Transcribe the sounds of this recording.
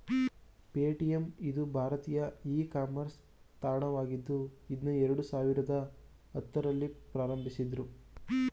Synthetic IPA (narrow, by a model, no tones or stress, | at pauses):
peːʈijemid̪ubʱaːɾɐt̪iːjɐiːkaːmɐɾs | t̪aːɾɳɐʋaːɡid̪ːuid̪nuɛɾɐɽusaːʋiɾɐd̪ɐ | ɐt̪ːɐɾɐlːipɾaːɾɐmbʱisid̪ɾu